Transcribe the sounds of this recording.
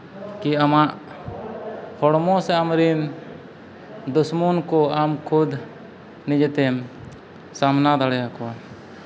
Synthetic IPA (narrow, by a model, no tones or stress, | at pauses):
kiamaʔ | hʰɔɽmɔsɛamɾim | d̪usmunkɔamkʰud̪ | nid͡ʒɛt̪ɛm | samnad̪aɽɛjakɔwa